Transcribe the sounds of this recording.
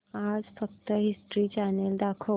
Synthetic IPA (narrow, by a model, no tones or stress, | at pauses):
ad͡zfəkt̪əɦisʈɾiːt͡ɕaneld̪akʰo